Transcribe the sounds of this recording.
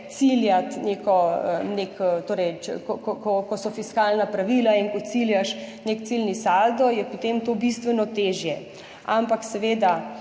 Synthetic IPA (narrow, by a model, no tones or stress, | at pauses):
t̪siljat̪nekɔənekt̪oːɾɛjt͡ʃkɔkɔkɔkɔsɔfiskalnapɾaʋiːlaiŋkɔt̪siljaʃnekt̪silnisald̪ɔjɛpot̪emt̪oːbist̪ʋɛnɔt̪eʒjɛ | ampaksɛʋeːd̪a